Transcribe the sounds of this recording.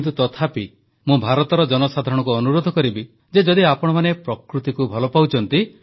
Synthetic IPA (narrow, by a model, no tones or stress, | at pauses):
nt̪̬ut̪ɔt̪ʰapi | mũbʱaɾɔt̪ɔɾɔd͡ʒɔnɔsad̪ʱaɾɔɽ̃ɔkuɔnuɾod̪ʱɔkɔɾibi | d͡ʒed͡ʒɔd̪iapɔɽ̃ɔmanepɾɔkɾut̪ikubʱɔlɔpawt͡ʃʰɔnt̪i